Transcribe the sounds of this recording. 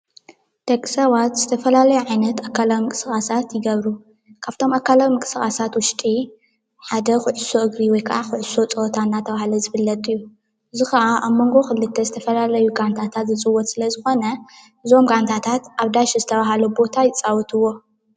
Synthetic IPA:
d̪̥ɐkʼːi̥sɐβat̪z̥ɨt̪ʰɐfɐlalɐjuʕajnɐt̪akːalawmɨkʼɨsɨxʼasat̪jɪɡɐβɾu | kʰaβt̪ʰo̞makːalawmɨkʼɨ̥sɨxʼasat̪wʊʃt̪ʼi | ħad̪ɐxɨʕɨso̞ʔɨɡɾiwɔjkʰɐʔaxɨʕɨso̞t͡sʼɐt̪ʰanːat̪ʰɐβahlɐzɨβɨlːɐt̪ʼɨjːu | ʔɨzixɐʔaʔaβmo̞ŋɡo̞xɨlːɨt̪ʰːɐzɨt̪ʰɐfɐlalɐjuɡant̪ʰat̪ʰat̪zɨt͡sʼɨwːɔt̪ʼsɨlɐzɨxo̞nɐʔɨzo̞mɡant̪ʰat̪ʰat̪ʔaβd̪aʃizɨt̪ʰɐβaɦalubo̞t̪ʰajɪt͡sʼawɔt̪ʰɨwːo̞

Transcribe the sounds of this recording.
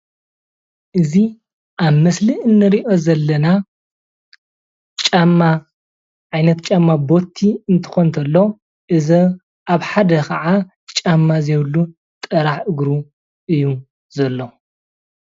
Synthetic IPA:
ʔɨzi | ʔaβmɐsliɨnːɨɾiʔo̞zɐlːɐna | t͡ʃʼamːa | ʕajnɐt̪t͡ʃʼamːabo̞t̪ʰːiɨnt̪ʰɨ̥xont̪ʰɐlːo | ʔɨzɐ | ʔaβħad̪ɐkʰɐʕa | t͡ʃʼamːazeβlːu | t̪ʼɐɾaħɨɡɾu | ʔɨjːu | zɐlːo

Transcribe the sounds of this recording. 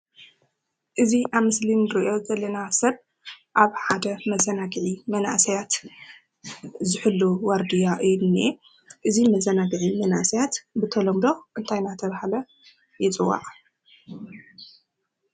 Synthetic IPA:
ʔɨziʔaβmɨslinɨɾɨʔo̞zɐlːɐnasɐβ | ʔaβħad̪ɐmɐzɐnaɡɨʕimɐna̰ʔsɐjat̪ | zɨħɨlːuwaɾd̪ijaʔɨjne | ʔɨzimɐzːɐnaɡɨʕimɐna̰ʔsɐjat̪bɨt̪ʰɐlomd̪o̞ʔɨnt̪ʰajnat̪ʰɐβahalɐ | jɪt͡sʼɨwːa̰ʔʼ

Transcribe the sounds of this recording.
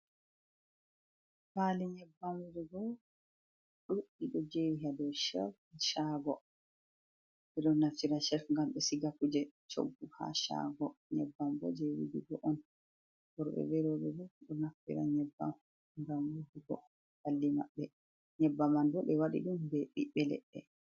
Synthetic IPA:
paliɲɛbːamuɾiɡɔ | ɗuɗːiɗɔd͡ʒeɦadɔʃɛ̰f | ʃaɡɔ | ɓɛɗɔnaftiɾaʃɛfŋɡamɓɛsiɡakud͡ʒɛt͡ʃo̰ɡːuha̰ʃa̰ɡɔɲɛbːamɡɔ̰d͡ʒewḭdiɡɔʔɔn | bɔɾɓɛ̰bɛɾɔɓɛbɛɗɔnaftḭɾa̰ɲɛbːa̰m | ŋɡamwuduɡɔ̰ | halːima̰ɓːɛ | ɲɛbːamandɔɓɛwaɗḭɗumbɛɓiɓɛlɛ̰ɗːɛ̰

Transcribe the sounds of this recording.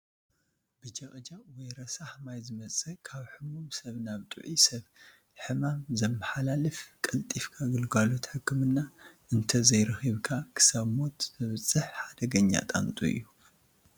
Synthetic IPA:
bɨd͡ʒɐχʼd͡ʒawɔjɾɐsaħmajzɨmɐt͡sʼɐkʰaβħɨmumsɐβnaβt̪ʼɨ̰ʕisɐβ | ħɨmamzɐmːɐħalalɨfkʼɐlt̪ʼifkʰaɡɨlɡalo̞t̪ħɨkʰːɨmɨnːaʔɨnt̪ʰɐzɐjɾɐxiβkʰakʰɨ̥saβmo̞t̪mɨβɨt͡sʼːɨħħad̪ɐɡɐɲːa̰t̪ʼa̰nt̪ʼṵḭjːu

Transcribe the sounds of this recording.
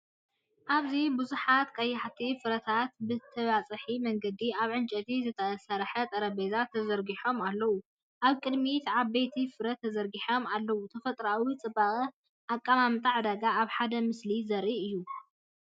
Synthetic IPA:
ʔaβzibuzuħat̪kʼɐjːaħt̪ʰifɨɾɐt̪ʰat̪bɨt̪ʰɐβat͡sʼɨħimɐŋɡɐd̪iaβʕɨnt͡ʃʼɐt̪ʰizɨt̪ʰɐsɐɾħɐt̪ʼɐɾɐbezat̪ʰːɐzɐɾɡiħo̞malːɐwu | ʔaβkʼɨd̪mit̪ʕaβbejt̪ʰifɨɾɐt̪ʰːɐzɐɾɡiħo̞malːɐwut̪ʰɐfɐt̪ʼɾawit͡sʼɨbaχʼɨ | ʔakʼːamamt̪ʼaʕd̪ɐɡaʔaβħad̪ɐmɨslizɐɾʔiɨjːu

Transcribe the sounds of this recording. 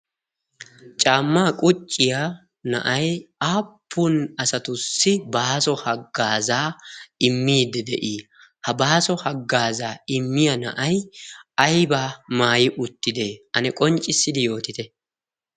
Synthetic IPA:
t͡ʃʼaːmːaːkʼʊt͡ʃʼːɪja | nɐ̰ʔɐjʔaːpʰːʊnɐsɐt̪ʊsːɪbaːsɔhɐɡːaːzaːɪmːiːd̪ːɛd̪ɛ̰ʔiː | hɐbaːsɔhɐɡːaːzaːɪmːɪjɐnɐ̰ʔɐjɐjbaːmaːjɪʔʊt̪ːɪd̪eːʔɐnɛkʼɔnt͡ʃʼːɪsːɪd̪ɪjo̞ːt̪ɪt̪ɛ

